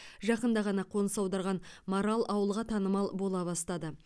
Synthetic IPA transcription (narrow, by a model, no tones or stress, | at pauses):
ʒɑqənd̪ɑʁɑnɑqʰo̞nəsɑwd̪ɑɾʁɑnmoɾalˠʔɑwəlˠʁɑt̪ʰɑnəmɑlˠbo̞lˠɑbɑst̪ɑd̪ə